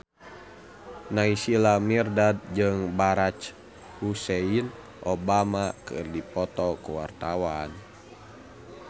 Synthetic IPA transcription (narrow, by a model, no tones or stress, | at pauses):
naisilamirdad̪̚d͡ʒɨŋbaɾat͡ʃ | husɛin | ʔɔbamakɨ̰rdipɔt̪ɔkuwa̰rt̪awan